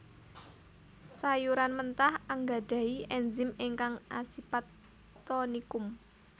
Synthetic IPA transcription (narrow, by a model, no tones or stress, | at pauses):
sajuɾanmənt̪ahaŋɡa̤ɖ̥a̤iʔɛnzɪmeŋkaŋasipat̪ː | onikʊm